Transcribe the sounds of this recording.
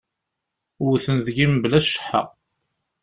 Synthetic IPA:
ʊɾθənðəɡimblæʃə̥ħːa̰

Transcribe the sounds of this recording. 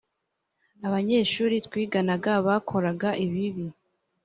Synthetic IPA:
aβaɲe̞ːʃuːɾitwiːɡanaɡaβaːkʰo̞ɾaɡaʔiβiβi

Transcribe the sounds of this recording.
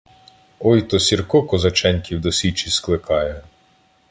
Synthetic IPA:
ɔjt̪ɔsʲirkɔkɔzɐt͡ʃɛnʲkʲiwd̪ɔsʲit͡ʃisklˠɪkɑjɛ

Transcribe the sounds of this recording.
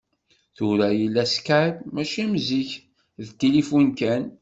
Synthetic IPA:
θʊɾæjilːæskamæʃimziç | ðt̪ilifunkæn

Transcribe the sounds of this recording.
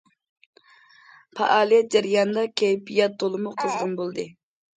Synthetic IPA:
pʰɑ̰ʔɑːlˠijɛt̪̚d͡ʒæɾijɑnd̪ɑkʲʰejpijɛt̪̚d̪olˠɨmuqʰəzʁɑnbolˠd̪ɨ

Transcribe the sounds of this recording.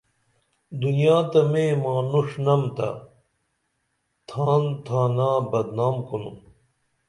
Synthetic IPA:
d̪unijaːt̪ɐmẽmãːnuʂnɐmt̪a̰ | t̪ʰaːnt̪ʰaːnaːbɐd̪naːmkunṵm

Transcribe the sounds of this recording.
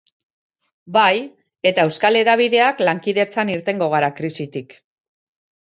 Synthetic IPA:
baj | e̞t̪ae̞wskale̞ɾaβ̞iðe̞aklaŋkiðe̞t͡saniɾt̪e̞ŋɡo̞ɣ̞aɾakɾisit̪ik

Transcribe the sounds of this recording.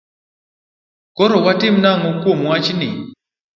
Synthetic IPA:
kɔɾowatem̩naŋokomuwat͡ʃinḛ

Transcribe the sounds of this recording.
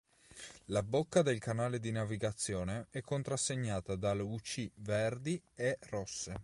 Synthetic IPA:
labokːad̪elkanaːled̪inaviɡat̪sːjɔːneɛkːont̪ɾasːeɲːaːt̪ad̪alut͡ʃiverd̪ierɔsːe

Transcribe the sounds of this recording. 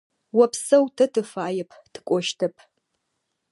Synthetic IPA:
wɐpsɐwtʰɐtʰɨfaːjɛpʰtʰɨ̥kʷʼɔʃtʰɐpʰ

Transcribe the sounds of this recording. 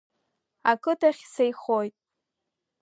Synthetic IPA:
akʰʼɨtʰaχʲsejχojtʼ

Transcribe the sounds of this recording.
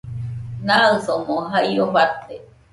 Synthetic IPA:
nasomoɦaioβat̪e

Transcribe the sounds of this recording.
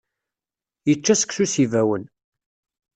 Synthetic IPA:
jət͡ʃːæsə̥ksusivæwən

